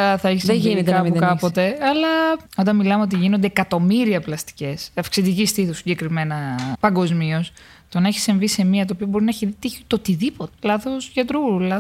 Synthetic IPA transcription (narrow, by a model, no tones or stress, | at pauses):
ɐθɐeçiseinekɐɐpukɐpo̞t̪e̞ɐlɐo̞nt̪ɐnmilɐmeo̞t̪̬iʝinond̪e̞ːkɐt̪o̞miɾiɐplɐst̪i̥ce̞sɐfksid̪icist̪iθusiɟe̞kɾime̞nɐpɐŋɡo̞zmio̞s | t̪onɐeçi̥siɱvise̞miɐt̪̬oːpiobo̞ɾinɐeçiðit̪içit̪o̞t̪iðipot̪elɐθo̞sʝɐt̪ɾuɾulɐ